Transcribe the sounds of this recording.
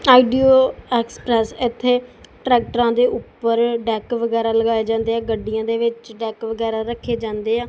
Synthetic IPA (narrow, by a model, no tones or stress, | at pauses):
aːiɖioːɛːkspɾɛːsɪt̪ʰːeːʈɾɛːk̚ʈəɾãːd̪eːʔʊpːəɾɖɛːkʋəɡɛːɾaːləɡaːeːd͡ʒãːnd̪eːɛːɡəɖɪjãːd̪eːʋɪt͡ʃɖɛːkʋəɡɛːɾaːɾəkʰːeːd͡ʒãːnd̪eːɛː